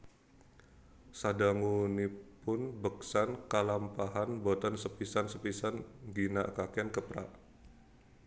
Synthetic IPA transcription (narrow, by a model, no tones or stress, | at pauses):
sadaŋunipʊnbəksankalampaɦanbot̪ɔnsəpisansəpisanɡinakakɛnkəpɾa̰ʔ